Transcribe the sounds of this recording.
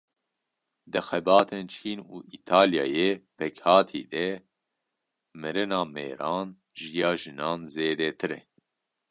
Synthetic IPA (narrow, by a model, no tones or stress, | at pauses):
d̪ɨxɛbɑːt̪ʰent͡ʃʰiːnuːʔit̪ʰaːljɑ̰ːjepʰɛkhɑːt̪ʰḭːd̪ɛ | mɨɾɨnɑːmḛːɾɑːn | ʒijɑːʒɨnɑːnzeːd̪ɛt̪ʰɨɾɛ̰